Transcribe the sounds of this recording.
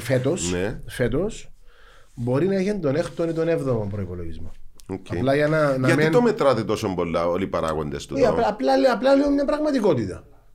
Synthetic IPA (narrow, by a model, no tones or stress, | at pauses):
fet̪osnefet̪os | bo̞ɾinɐeçend̪onext̪onit̪onevðomompɾoipoloʝizmookɐeplɐʝɐnɐnɐʝɐtmeit̪omet̪ɾɐt̪et̪o̞sombolːɐolipɐɾɐ̰ɣo̰nd̪est̪uɐɐplɐlɐplɐliomɲɐpɾɐɣmɐt̪iko̞t̪it̪ɐ